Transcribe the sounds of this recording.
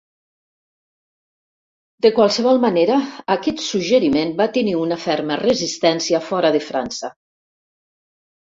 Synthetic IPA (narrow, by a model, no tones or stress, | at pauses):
d̪əkwalˠsəβ̞ɔlˠmaneɾəːkɛt̪suʒəɾimenbat̪əniunəfɛɾmərəzist̪ɛnsiəfɔɾəðefɾansə